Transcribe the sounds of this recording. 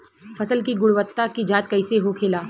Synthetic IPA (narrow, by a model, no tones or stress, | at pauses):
fɐsəlkiɡʊɽʋət̪ːakid͡ʒaːt̪kɐɪseɦokʰɪlaː